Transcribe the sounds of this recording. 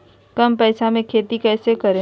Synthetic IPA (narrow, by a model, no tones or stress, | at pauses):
kɐmpɛːsamẽkʰeːt̪ikɛːsekɐɾẽ